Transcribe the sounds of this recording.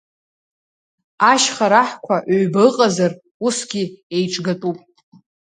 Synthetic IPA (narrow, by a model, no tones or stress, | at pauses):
aʃχaɾaħkʷʰaʔʕɥbaɨqʼazar | usɡʲiejʈ͡ʂʼɡatʼupʼ